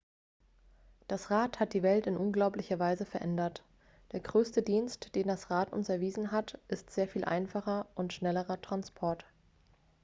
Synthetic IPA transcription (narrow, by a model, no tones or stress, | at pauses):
d̥asʁaːthat̚d̥iːvɛltɪnʔʊnɡlaʊplɪçɐvaɪzəfɛɐʔɛndɐt | d̥eːɐɡʁøːstədiːnstd̥eːndasʁaːtʊ̰nsɛɐviːzn̩ɦatʔɪstz̥eːɐfiːlʔa̰ɪnfaχɐʔʊntʃnɛləʁɐtʁ̥anspʰɔɐt